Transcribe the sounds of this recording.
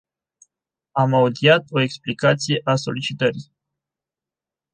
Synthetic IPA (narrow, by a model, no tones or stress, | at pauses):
amaud̪iat̪o̞eksplikat̪sije̞ʔaso̞lit͡ʃit̪əɾi